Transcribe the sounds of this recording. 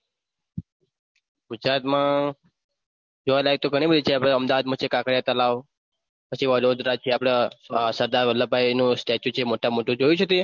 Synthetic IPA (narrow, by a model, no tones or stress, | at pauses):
ɡud͡ʒɾat̪mã | d͡ʒoʋalaɡet̪oɡʱəɽ̃ibəd̪ʱit͡ʃʰeapɽ̃eəmd̪aʋad̪̚mõt͡ʃʰekakəɽjat̪əlaʋ | pət͡ʃʰiʋəlod̪ɾat͡ʃʰeapɽ̃esəɾd̪aɾʋəlːəbʱajnũsʈet͡ʃjut͡ʃʰemoʈamoʈũd͡ʒojũt͡ʃʰet̪i